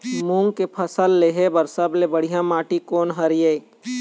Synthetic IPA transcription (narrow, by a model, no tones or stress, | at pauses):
mũŋɡkepʰəsəlːeɦebɐɾsəblebəɽ̤ijãmãːʈikoːnɦəɾije